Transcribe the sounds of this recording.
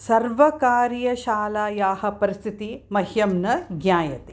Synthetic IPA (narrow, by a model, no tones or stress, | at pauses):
sɐɾʋɐkaːɾjɐʃaːlaːjaːhɐ̆pɐɾist̪ʰit̪imɐɦjɐmnɐɡnaːjɐt̪e